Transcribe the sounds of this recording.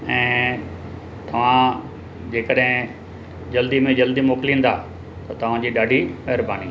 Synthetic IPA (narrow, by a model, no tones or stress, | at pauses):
ɛ̃ː | t̪ɐʋ̤ã | d͡ʑeːkəɗɦɪ̃ | d͡ʑɐld̪imẽd͡ʑɐld̪imoːkɪlĩːnd̪aː | t̪ɐt̪ɐʋ̤ãd͡ʑiːɗaːɖʱiɐɦɾbaːni